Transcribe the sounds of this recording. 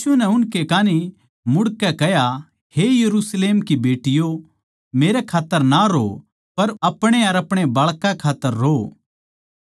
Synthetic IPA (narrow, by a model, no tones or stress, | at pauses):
sunɛʊnkekaːni | mʊɽkɛkɛja | hejɐɾusleːmkibeːʈɪjo | meːɾɛkʰaːt̪ːəɾnaɾo | pɐɾɐpɽ̃eɐɾɐpɽ̃ebɐɭkãkʰaːt̪ːəɾːo